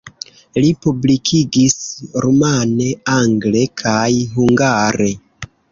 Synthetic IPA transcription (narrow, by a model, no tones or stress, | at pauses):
lipublikʰiɡisɾumane̞aŋɡle̞kʰajɦuŋɡaɾe̞